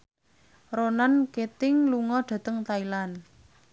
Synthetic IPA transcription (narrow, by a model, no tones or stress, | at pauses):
ronanket̪ɪŋluŋɔɖ̥ä̤t̪əŋt̪ailan